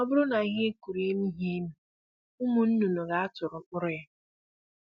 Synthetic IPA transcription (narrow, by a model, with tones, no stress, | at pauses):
ɔ˦bʊ˦ɾʊ˦na˨ɣɪ˦ku˨ɾi˦mi˦ɦi˦nu˨ | ʊ˦mu˨n̩˦nu˨no˨ɣa˦a˦tʊ˨ɾʊ˨mʊ˦ɾʊ˦a˦